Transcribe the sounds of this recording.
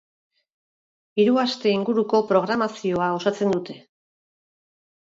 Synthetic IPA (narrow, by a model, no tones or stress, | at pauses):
iɾuast̪e̞iŋɡuɾuko̞pɾo̞ɣ̞ɾamasio̞ao̞sat͡se̞nd̪ut̪e̞